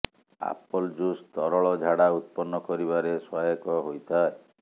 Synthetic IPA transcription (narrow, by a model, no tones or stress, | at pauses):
a̰pɔld͡ʒust̪ɔɾɔɭɔd͡ʒʱaɽaut̪̚pɔnːɔkɔɾiβaɾesɔjɔkɔɦojt̪ʰae